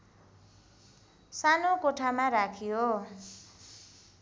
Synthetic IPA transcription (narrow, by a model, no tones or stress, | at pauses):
sanokoʈʰamaɾakʰijo